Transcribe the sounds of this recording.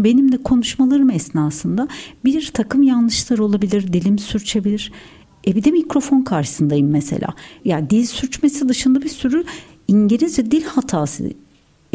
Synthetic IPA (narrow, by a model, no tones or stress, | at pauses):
be̞nimd̪ɛkʰo̞nuʃmalˠaɾɯmɛsnaːsɯnd̪abiɾt̪ʰakʰɯmjanlˠɯʃlˠaɾɯo̞lˠabilʲiɾd̪ilʲimsyɾt͡ʃʰebilʲiɾ̥ | ɛbid̪ɛmicɾo̞fo̞nkʰaɾʃɯ̥sɯnd̪ajɯmːesḛlʲa̰ːjaːd̪ilʲsyɾt͡ʃmesid̪ɯʃɯnd̪abisyɾy | iɲɟilʲizvɛd̪ilʲhat̪ʰaːsɯ̰